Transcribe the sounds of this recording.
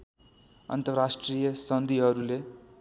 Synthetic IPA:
ʌ̰nt̪ʌrasʈrijʌsʌnd̪iɦʌɾule

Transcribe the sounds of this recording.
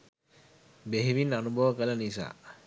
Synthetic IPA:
beɦiʋinːanubʱɔʋəkələnisa̰ː

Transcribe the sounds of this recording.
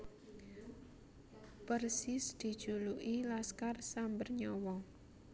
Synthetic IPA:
pərsɪsd̪̥i̤d̥ʒ̥uluʔilaskarsambərɲɔwɔ

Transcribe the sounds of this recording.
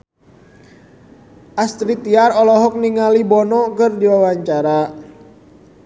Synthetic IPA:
ʔast̪ɾit̪iarɔlɔɦɔk̚niŋalibɔnɔkərdiwawaɲt͡ʃaɾa

